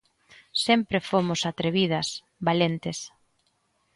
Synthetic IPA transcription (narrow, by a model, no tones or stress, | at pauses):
sempɾefomʊsat̪ɾeβið̞ɐs | βalent̪ɪs